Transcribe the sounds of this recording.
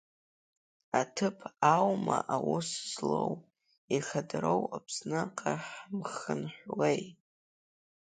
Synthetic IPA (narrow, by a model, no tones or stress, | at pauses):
atʰɨpʰawmaʔawʊszlow | iχadrowapʰsnaqʼaħmχənħʷlej